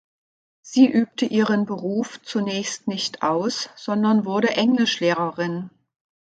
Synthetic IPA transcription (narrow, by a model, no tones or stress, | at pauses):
z̥iːʔyːp̚təʔiːʁ̞ənbəʁuːft͡sunɛːçstnɪçtʰʔaʊsz̥ɔndɐnvʊɐdəʔɛŋlɪʃleːʁɐʁɪn